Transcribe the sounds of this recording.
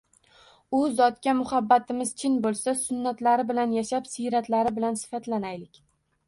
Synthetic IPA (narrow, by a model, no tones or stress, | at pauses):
ʊzɒt̪kʲamʊhabːat̪ʰɪmɪz̥t͡ʃʰɪnbolˠsasʊnːat̪laɾɪbɪlanjaʃapsijɾat̪laɾɪbɪlansɪ̥fat̪ʰlanajlɪkʲ